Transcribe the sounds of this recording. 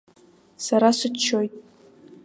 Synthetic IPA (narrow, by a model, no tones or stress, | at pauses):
saɾasɨt͡ʃʰːojtʼ